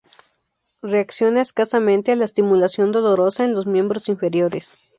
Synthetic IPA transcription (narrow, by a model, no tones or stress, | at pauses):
reaksjo̞naeskasamẽnt̪ealaest̪imulasjo̞nd̪o̞lo̞ɾo̞saenlo̞zmjẽ̞mbɾo̞siɱfe̞ɾjo̞ɾes